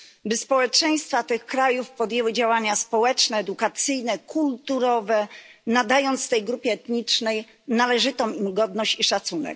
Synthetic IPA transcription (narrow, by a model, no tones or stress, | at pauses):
bɘspɔwɛt͡ʂɛj̃st̪fat̪ɘxkɾajufpɔd̪jewɘd͡ʑawaɲaspɔwɛt͡ʂnɛːd̪ukat̪sɘjnɛkʰult̪uɾɔvɛnad̪ajɔnt̪sft̪ɛjɡɾupʲjɛɛt̪ɲit͡ʂnɛj | nalɛʐɘt̪ɔmimɡɔd̪nɔɕt͡ɕiʂat̪sunɛ̰k